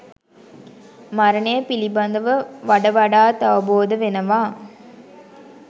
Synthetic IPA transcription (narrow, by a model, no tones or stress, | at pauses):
maɾənejəpilibɐnd̪əʋəʋaɖəʋɐɖaːt̪ɐʋəboːd̪əʋenəʋaː